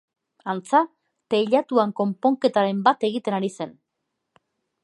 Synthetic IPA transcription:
ant͡sa | t̪eʎat̪uaŋko̞mpo̞ŋke̞t̪aɾe̞mbat̪e̞ɣ̞it̪e̞naɾise̞n

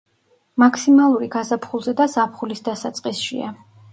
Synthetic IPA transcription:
makʰsimalˠuɾiɡazapʰχulˠzɛd̪azapʰχulisd̪asat̪sʼqʼisʃḭa̰

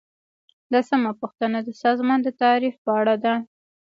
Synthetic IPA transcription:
d̪asamapuxt̪ənad̪əsɑzmɑnd̪ət̪ɑɾifpəaɽad̪a

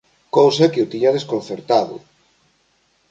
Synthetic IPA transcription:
kowsɐkeʊt̪iɲɐðeskon̟θeɾt̪aðʊ̰

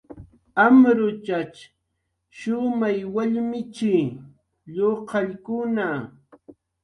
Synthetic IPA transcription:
amɾʊt͡ʃat͡ʃ | ʃʊmajwaʎmɪt͡ʃɪ | ʎoqɑʎkʊna

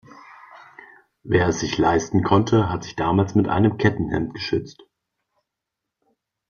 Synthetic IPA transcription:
veːɐɛsz̥ɪçlaɪstn̩kʰɔntʰəɦatz̥ɪçd̥aːmaːlsmɪtʔa̰ɪnəmkʰɛtn̩hɛ̰mt̚ɡ̥əʃʏt͡st

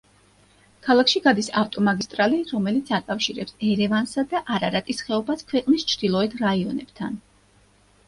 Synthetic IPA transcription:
kʰalˠakʰʃiɡad̪isaft̪ʼɔmaɡist̪ʼɾaliɾɔmɛlit̪sʰakʼafʃiɾɛpsɛɾɛvansad̪aʔaɾaɾat̪ʼisχɛɔbaskʰwɛqʼnist͡ʃʰɾd̪̥ilˠɔɛt̪ʰɾaiɔnɛb̥t̪ʰan

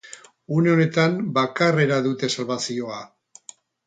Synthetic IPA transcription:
uneo̞ne̞t̪ambakare̞ɾaðut̪e̞salβasio̞a

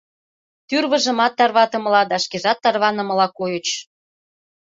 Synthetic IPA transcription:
t̪yrβə̆ʒə̆mɑt̪ːɑrβɑt̪ɤ̆mə̆lɑd̪ɑʃkeʒɑt̪ːɑrβɑnə̆mə̆lɑkojə̆t͡ɕ

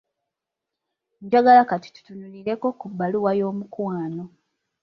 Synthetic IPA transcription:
ɲd͡ʒaɡalakati̥tu̥tununiɾe̞ko̞kubːaluwajo̞ːmukwaːno̞

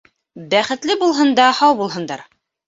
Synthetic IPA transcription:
bæχɘ̆t̪lɘbulˠɦɤ̆nd̪ɑhɑwbulˠɦɤ̆nd̪ɑɾ

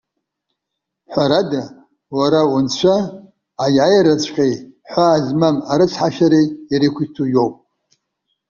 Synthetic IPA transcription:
ħʷaɾada | waɾaunt͡ɕʷʰaː | jʕajɾat͡ɕʷʰʼqʲʼeħʷaːzmamaɾɨt͡sʰħaʃaɾiːɾikʷʰitʰujowpʼ

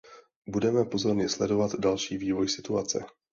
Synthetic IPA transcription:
budɛmɛpo̞zo̞ɾɲɪslɛdo̞vat̪dalʃiːviːvo̞jsɪt̪uat͡sɛ̰

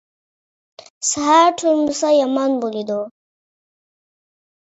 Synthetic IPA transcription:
saɦaɾʈʰumdusajamanbolid̪o

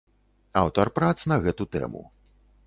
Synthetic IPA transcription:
awt̪ɐrpɾat̪snɐɣɛt̪ut̪ɛ̰mṵ

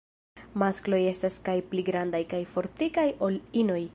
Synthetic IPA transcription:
masklo̞je̞staskajpliɡɾandajkajfo̞ɾtikajo̞lino̞j

